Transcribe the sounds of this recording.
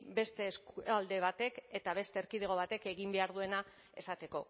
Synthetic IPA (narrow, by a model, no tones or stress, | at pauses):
be̞st̪e̞skald̪e̞β̞at̪e̞ke̞t̪aβ̞e̞st̪e̞ːɾkiðeɣ̞o̞β̞at̪e̞ke̞ɣimbe̞aɾðue̞na | e̞sat̪e̞ko̞